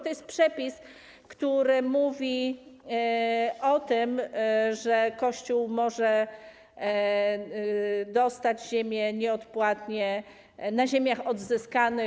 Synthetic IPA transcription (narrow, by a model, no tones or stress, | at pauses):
t̪ɔjɛst̪̚pʂɛpʲis | kt̪uɾɘmuvʲi | ɔt̪ɘmʐɛkɔɕt͡ɕuwmɔʐɛ | d̪ɔst̪ad͡ʑʑemʲjɛɲɛɔt̪pwat̪ɲɛ | naʑemʲjaxɔd̪zɘskanɘ